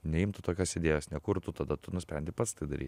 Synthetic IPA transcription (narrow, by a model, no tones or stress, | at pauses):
nʲɛɪmt̪ʊt̪oːkʲoːsʲed̪ʲeːjoːsnʲɛkʊɾt̪ʊt̪ɐd̪ɐt̪ʊnʊsʲpʲɾʲɛnʲd̪ʲɪpɐt̪st̪ɐɪd̪ɐɾʲḭt̪ʲ